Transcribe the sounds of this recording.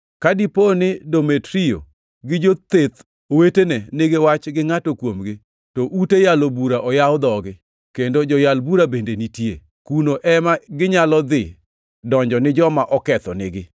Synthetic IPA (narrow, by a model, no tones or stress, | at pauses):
kadiponɪdometɾio̰ | ɡɪd͡ʒot̪et̪ | owetenɛneɡewat͡ʃɡɪŋatokwomɡɪ | toʔutejalobuɾaʔɔjawd̪ɔɡɪ | kendod͡ʒɔjalbuɾabendenitje | kunoʔɛmaɡɪɲalɔd̪ɪ | dɔɲd͡ʒɔnɪd͡ʒɔmaʔɔkɛt̪ɔnɪ̰ɡɪ